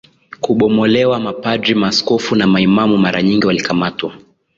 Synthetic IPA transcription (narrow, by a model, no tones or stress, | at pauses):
kuɓɔmɔlɛwamapadɾimaskɔfunamaimamumaɾaɲiŋɡiwalikamatwa